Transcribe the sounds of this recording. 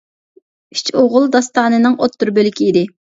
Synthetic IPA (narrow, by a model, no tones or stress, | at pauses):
i̥t͡ʃʰoʁʊlˠd̪ɑst̪ɑːnɨnɨŋot̪ːuɾbølɪkʲiid̪ɪ